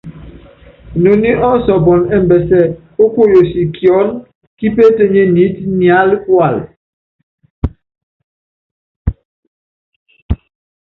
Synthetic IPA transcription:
no˨ni˦ʔɔ˦sɔ˨bɔ˨nɛ˦m̩˨bɛ˨sɛ˦ | o˦ko˦˨jo˨si˨kjɔ˨˦n | ki˦pe˦te˦ɲe˦ni˨˦tnja˨˦lkwa˨l

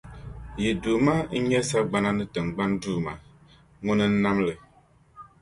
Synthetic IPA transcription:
ji˨du˨ma˦ɲɛ˦sa˦ɡ͡ba˨na˦nə˦tə˨ŋ˨ɡ͡ba˦ndu˦˨ma˨ | ŋo˦nə˦n̩˦na˦mlə˨

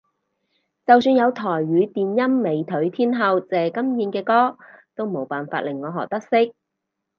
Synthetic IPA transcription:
t͡sɐ˨wsyː˧njɐ˨˧wt̪ʰɔː˨˩jɥyː˨˧t̪iː˨njɐ˥mːe˨˧˩jt̪ʰɵ˨˥ɥt̪ʰiː˥nɦɐ˧wt͡sɛː˨kɐ˥mjiː˨˧nkɛː˧kɔː˥t̪o˥wmo˨˩wpaː˨nfaː˧t̚lɪ˨˩ŋŋɔː˨˧ɦɔ̰ː˨k̚t̪ɐ˥k̚sɪ˥k̚

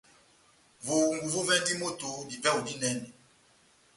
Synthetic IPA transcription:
vo˨ŋ˨ɡu˨vo˦vɛ˦n˦di˦mo˦to˨di˨vɛ˦o˨di˦nɛ˦nɛ˨

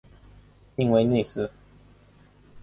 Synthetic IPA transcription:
i˥˧ŋwe˧ɪnwe˥˧ɪsɹ̩˥˧

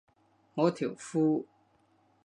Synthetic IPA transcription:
ŋo˨˦t̪ʰjo˨˩˨fu˦

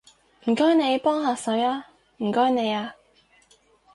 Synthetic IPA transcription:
m̩˨˩kɔː˥jne˨˧jpɔː˥ŋɦaː˧sɵ˨˥ɥaː˥ | m̩˨˩kɔː˥jne˨˧jaː˧

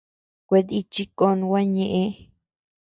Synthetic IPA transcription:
kʷe˧ði˧t͡ʃi˦ko˧nũ˧wʷa˦ɲẽ˧ʔẽ˧˦

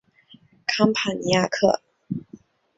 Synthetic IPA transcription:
kʰa˥ŋpʰa˨˩nja˥˧kʰɤ̰˥˩

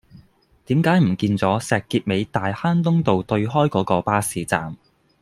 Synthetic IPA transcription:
t̪iː˨˥mkaː˨˥jm̩˨˩kiː˧nt͡sɔː˨˥sɛː˨kːiː˧t̚me˨˧jt̪aː˨jhaː˥nt̪ʊ˥ŋt̪o˨wt̪ɵ˧ɥɦɔː˥jkɔː˨˥kɔː˧paː˥siː˨˧t͡sa̰ː˨m

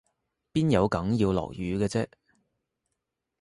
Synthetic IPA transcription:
piː˥njɐ˨˧wkɐ˨˥ŋjiː˧wlɔ̰ː˨˩k̚jyː˨˧ɡɛː˧t͡sɛː˥

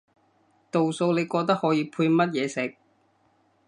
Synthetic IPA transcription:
t̪o˨wso˧wle˨˧jkɔː˧k̚t̪ɐ˥k̚hɔː˨˥jiː˨˧pʰuː˧jmɐ˥t̚jɛː˨˧sɪ˨˩k̚

